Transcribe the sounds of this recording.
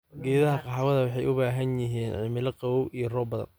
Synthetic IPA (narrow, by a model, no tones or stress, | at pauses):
ɡɛːðɐɦɐqɑħɑwɐðɐwɑħɑjʔʊbaːɦɐnjɪɦiːnʕɪmɪlɐqɑwɔwijɞrɔːbɐðɐ̰n